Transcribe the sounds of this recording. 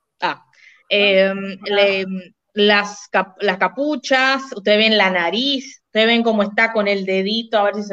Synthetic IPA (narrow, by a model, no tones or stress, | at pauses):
a | emem | laskalaskaput͡ʃasust̪eeβenlanaɾisu̥t̪eeβe̞ŋko̞moest̪ako̞ne̞ld̪e̞ðit̪o̞aβeɾs̬is̬e